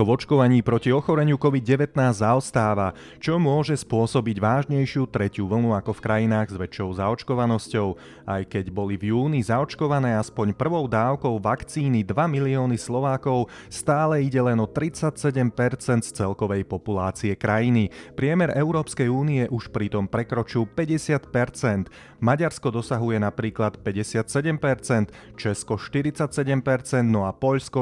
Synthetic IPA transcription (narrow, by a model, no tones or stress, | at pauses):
ɔvɔt͡ʃkɔʋaɲiːpɾɔciɔxɔɾɛɲɪukɔʋid̪̚ɟɛʋɛt̪naːzzaɔst̪aːʋa | t͡ʃɔmʊɔʒɛspʊɔsɔbiɟʋaːʒɲɛjʃɪut̪ɾɛcuʋl̩nuakɔfkɾajinaːɣzʋɛt͡ʃːɔʊzaɔt͡ʃkɔʋanɔscɔʊ | a̰jkɛɟbɔlivjuːnizaɔt͡ʃkɔʋanɛːaspɔɲpr̩ʋɔʊd̪aːʊkɔʊʋakt͡siːnid̪ʋamiliɔːnislɔʋaːkɔʊ | st̪aːlɛiɟɛlɛnɔt̪ɾit͡sacsɛɟɛmpɛɾt͡sɛnt̪st͡sɛlkɔʋɛjpɔpulaːt͡siɛkɾajinipɾɪɛmɛɾʔɛʊɾɔːpskɛjuːniɛʔuʃpɾit̪ɔmpɾɛkɾɔt͡ʃilpɛɟɛsɪat̪pɛɾt͡sɛnd̪ | maɟaɾskɔd̪ɔsaɦujɛnapɾiːklat̪pɛɟɛsɪat̪sɛɟɛmpɛɾt͡sɛnt̪ | t͡ʃɛskɔʃt̪iɾit͡sacsɛɟɛmpɛɾt͡sɛnd̪nɔapɔʎskɔ